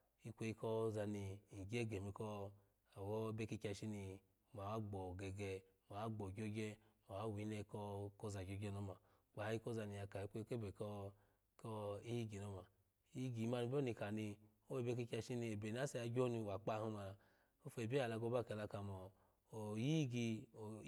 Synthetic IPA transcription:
i˧kʷe˧i˧kɔ˦za˧ni˧˨ɡe˦ɡe˨mi˧kɔ˦ | a˨wo˦be˧ki˧kʲa˧˨ʃi˧ni˧ | m˨a˨wa˦ɡ͡bɔ˨ɡe˧ɡe˧ma˨wa˦ɡ͡bɔ˨ɡʲo˦ɡe˧ma˨wa˦wi˨˦ne˧˨˦kɔ˧ko˦za˨ɡʲo˧˦ɡe˧˦no˦ma˨ | ɡ͡ba˨˦ji˦ko˦za˧ni˧a˨ka˨i˧˦kʷe˧˦˧ke˦be˨kɔ˧ | kɔ˦i˦ji˦ɡi˨no˦ma˨ | i˦ɡi˨˦ma˧˨nu˧bʲo˦ni˧ka˨ni˧ | o˦e˧be˧ki˧kʲa˧ʃi˦ni˧e˨be˨n˧˦a˦se˧a˧ɡʲo˦ni˧˨wa˨k͡pa˦˨hu˧ma˧ | o˦fo˧e˨bi˦a˨la˧ɡo˧˦ba˦˨ke˧˨la˧ka˧˨mɔ˨ | o˨ji˦ɡi˧o˨

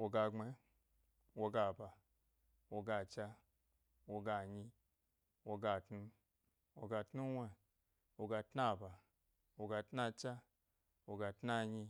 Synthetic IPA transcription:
wo˧ɡa˧ŋ͡me˧ | wo˧ɡa˧˨ba˨ | wo˧ɡa˧t͡ʃa˧ | wo˧ɡa˧˨ɲi˧ | wo˧ɡa˧˨tnu˧ | wo˧ɡa˧tnu˦wa˧˨ | wo˧ɡa˧tna˧˨ba˨ | wo˧ɡa˧tna˧t͡ʃa˦ | wo˧ɡa˧tna˧ɲi˧

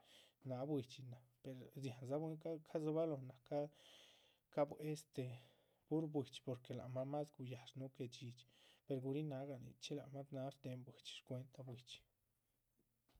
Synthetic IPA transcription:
na˨˦bwi˨t͡ʃi˧na˨pe˨ɾzja˨nza˦bwe˦ka˦kʰa˦za˧βa˦lo˨na˨ka˦ | ka˦bwe˦st̪e˨ | b̥u˦ɾbwi˨t͡ʃpo˨ɾke˨la̰˨ʔma˧ma˦sɡu˧ja˨ʂnu˦ke˧t͡ʃi˧t͡ʃpe˨ɾɡu˧ɾi˦na˧ɡa˧nḭ˨t͡ʃi˦la˨ma˦d̪na˧˦ɾt̪e˧mbwi˨t͡ʃɾkʷwe˧nt̪a˧bwi˨t͡ʃ

